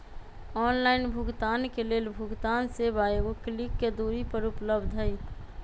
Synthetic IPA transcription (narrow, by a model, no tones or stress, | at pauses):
ɔːnlaːɪnbʱʊɡt̪aːnkeleːlbʱʊɡt̪aːnsebaeɡoklikːed̪uɾipəɾupləbd̪ʱɦəj